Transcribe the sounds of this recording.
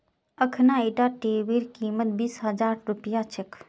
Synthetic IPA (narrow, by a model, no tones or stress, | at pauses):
əkʰnaeʈaʈebiɾkimət̪̚biːsɦəd͡ʒaɾɾupijat͡ʃʰekʰ